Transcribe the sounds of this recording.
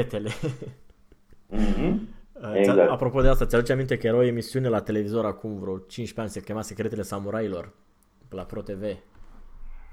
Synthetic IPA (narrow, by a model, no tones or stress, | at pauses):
et̪e̞le̞ | əeaapɾo̞po̞d̪east̪at̪sʲad̪ut͡ʃeamint̪e̞kəje̞ɾaoemisiune̞lat̪e̞le̞vizo̞ɾakumvɾeot͡ʃint͡ʃʲpeanʲsekʲemase̞kɾe̞t̪e̞le̞samuɾailo̞r | pelapɾo̞t̪e̞ve̞